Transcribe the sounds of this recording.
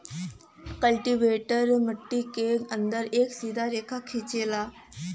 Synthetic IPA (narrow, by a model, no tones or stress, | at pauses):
kəlʈiʋeʈəɾməʈːikeɡənd̪əɾeksid̪ʱaɾekʰakʰet͡ɕela